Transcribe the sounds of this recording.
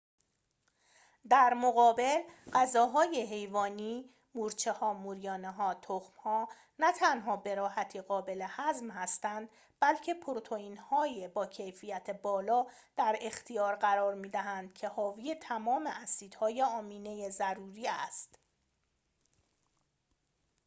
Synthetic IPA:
d̪æɾmoɣɒːbe̞lɢæzɒːɦɒːjeɦe̞jvɒːniː | muːɾt͡ʃʰe̞hɒːmuɾijɒːneɦɒːt̪ʰoxmhɒː | næt̪ʰænɦɒːbe̞ɾɒːhæt̪ʰiːɣɒːbe̞le̞hæzmhæst̪ænd̪ | b̥ælcʰe̞pʰoɾot̪ʰoiːnhɒːjebɒːcʰe̞jfijæt̪ʰebɒːlɒː | d̪̥æɾe̞xt̪ʰijɒːɾɢæɾɒːɾmiːd̪æɦænd̪̥cʰe̞hɒːvijet̪ʰæmɒːmeʔæsiːd̪̥hɒːjeɒːmiːne̞jezæɾuːɾiːæst̪

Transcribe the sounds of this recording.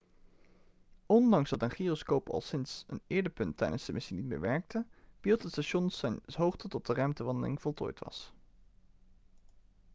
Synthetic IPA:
ɔndɑŋszdɑtənχiːroskowpʰɑ̰lˠsɪnsənɪːɹdəɹpɵntːɛ̰jdə̰nsdəmɪsinit̚mḛːɹʋɛɹk̚təb̥ilˠtɦətstaʃɔnsɛjnɦowχtətɔt̚dərɛmtəʋɑndəlɪŋv̥ɔlˠtʰo̰ːjtʋɑ̰s

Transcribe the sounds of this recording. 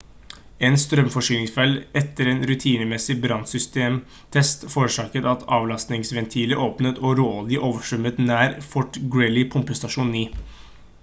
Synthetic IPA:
ɛnst̪ɾœmfɔʂyːlɪŋsfɛlɛt̪ːəɾeːnɾʉt̪ʰiːnəmɛsɪbɾɑnsʏst̪eːm | t̪ʰɛst̪foːɾəʂɑːkət̪ɑt̪ʰɑːʋlɑst̪nɪŋsʋɛnt̪ʰiːləʔoːpnət̪ʰɔːɾoːlɪʔoːʋəʂʉmːət̪næːɾfɔʈɡɹɛlɪpʰʊmpəst̪ɑʂuːniː

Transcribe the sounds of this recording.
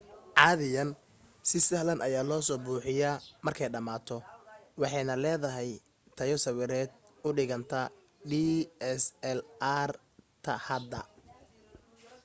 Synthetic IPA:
ʕɑːðɪjɐn | sɪsɐhlɐnʔɐjaːlɔːsɔːbuːħɪjaːmɐrkʰɛjɖɐmaːt̪ʰɔwɑħɑjnɐlɛːðɐɦɛj | t̪ʰɐjɔsɐwɪɾɛːd̪̚ | ʊɖɪɣɐnt̪ʰɐ | ɖiːɛsɛlar | t̪ʰɐ̰hɐd̪ɐ̰

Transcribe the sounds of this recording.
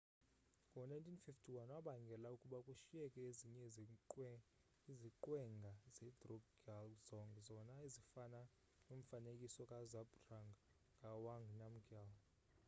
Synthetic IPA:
ŋʱɔnajntʰʼinfiftʰiwanwaɓaŋɡʱɛlaukʼuɓakʼuʃiɛkʼɛziɲɛ | iziǃwɛŋɡʱazɛdrɔɡɡalzɔŋɡzɔnaizifana | num̩fanekʼisɔkʼazabtraŋɡ | kʼawaŋɡnam̩ɡal

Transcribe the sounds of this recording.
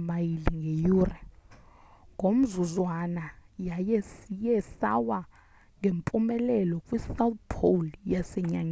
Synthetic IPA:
majiliŋɡʱejuːra | ŋɡʱom̩zuzwanajajɛsijɛsawa | ŋempʼumɛlɛlɔkʼwisawθpʰoljasɛɲaŋ

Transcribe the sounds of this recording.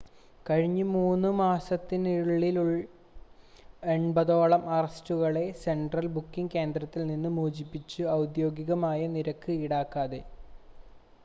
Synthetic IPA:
kɐɻiɲːɨmuːnːɨmaːsɐt̪ːiniɻɭːiluɭ | eɳbɐðo̞ːɭɐmɐrɐstuɣɐɭe̞se̞ɳɖrɐlbukːiŋɡke̞ːnd̪rɐt̪ːilninːɨmoːd͡ʑipːit͡ɕːɨɐwd̪jo̞ːɡiɣɐmaːjɐniɾɐkːɨiɽaːkːaːðe

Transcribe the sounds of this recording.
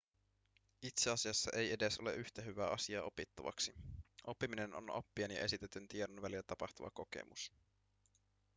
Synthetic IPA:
it̪seɑsiɑsːɑʔe̞je̞de̞so̞le̞̰ʔyht̪æɦyʋæːʔɑsiɑːo̞pit̪ːɑʋɑ̰ksiʔo̞pːimine̞no̰no̰pːienjɑ̰ʔe̞sit̪et̪ynt̪iedonʋælilːæt̪ɑpɑxt̪uʋɑ̰ko̞ke̞̰mus

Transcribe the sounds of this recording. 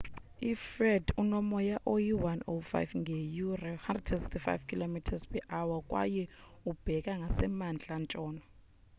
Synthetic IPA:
ifrɛdunɔmɔjaʔojiwanofa̰jvŋɡʱejurahandrɛdɛnsi̥ktʰifa̰jvkʰilomitʰazpɛʔawakʼwa̰jɛub̥ʱɛkʼaŋɡʱasɛmand͡ɮʱant͡ʃʼɔːnɔ

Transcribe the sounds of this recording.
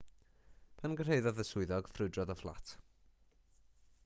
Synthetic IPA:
pʰanɡər̥ejðɔðəsʊɨðɔɡ̥frʊɨdrɔðɔflˠa̰tʰ

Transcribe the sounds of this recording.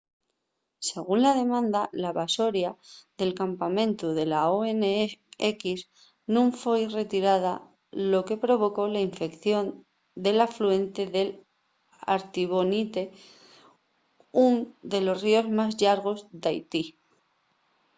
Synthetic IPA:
se̞ɣ̞unlað̞e̞mãnd̪alaβaso̞ɾjaðe̞lkampamẽ̞nt̪uðe̞laoe̞neekiz | nũɱfwejre̞t̪iɾað̞a | lo̞ke̞pɾo̞β̞o̞ko̞laiɱfe̞kθjo̞n | d̪e̞laflue̞nt̪e̞ðe̞l | a̰ɾt̪iβ̞o̞nit̪e̞ | und̪e̞lo̞srio̞zmazʎaɾɣ̞o̞zd̪ajt̪i

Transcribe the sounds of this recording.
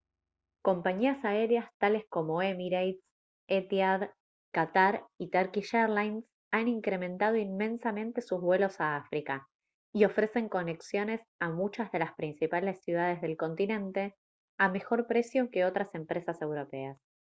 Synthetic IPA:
ko̞mpaɲiasae̞ɾeast̪ale̞sko̞mo̞emiɾajt̪s | et̪jað | kat̪aɾit̪aɾkiʃeɾlajns | aniŋkɾe̞mẽ̞nt̪að̞o̞inmẽ̞nsamẽ̞nt̪e̞suzβwe̞lo̞saafɾika | io̞fɾe̞se̞ŋko̞ne̞ksjo̞ne̞samut͡ʃazðe̞laspɾinsipale̞sːjuð̞að̞e̞zðe̞lko̞nt̪inẽ̞nt̪e̞ | ame̞xo̞ɾpɾe̞sjo̞ke̞o̞t̪ɾase̞mpɾe̞sase̞wɾo̞pe̞as

